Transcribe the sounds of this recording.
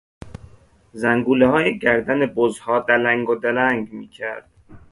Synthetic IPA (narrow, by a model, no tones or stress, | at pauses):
zæŋɡuːlehɒːjeɟæɾd̪ænebozhɒːd̪ælæŋɡod̪ælæŋɡmiːcʰæɾd̪̥